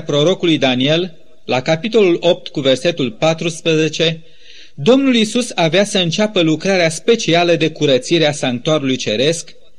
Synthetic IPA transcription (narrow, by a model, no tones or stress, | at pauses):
pɾo̞ɾo̞kulujd̪anie̞lː | akapit̪o̞lulo̞p̚t̪kuve̞rse̞t̪ulpat̪ɾuspɾəze̞t͡ʃe̞ | d̪o̞mnulisusaveasəɨnt͡ʃapəlukɾaɾeaspe̞t͡ʃialəd̪e̞kuɾət̪siɾeasaŋk̚t̪uaɾulujt͡ʃe̞ɾe̞sk